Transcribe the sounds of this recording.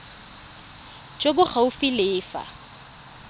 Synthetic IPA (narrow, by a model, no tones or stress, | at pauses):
t͡ʃʼobʊχaʊfɪlɪːfa̰